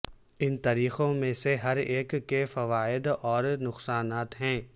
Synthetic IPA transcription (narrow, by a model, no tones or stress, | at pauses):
ɪnt̪aːɾiːxõmẽseɦɐɾeːkːefɐʋaːɪd̪ɔːɾnʊqsaːnaːt̪ɦɛ̃ː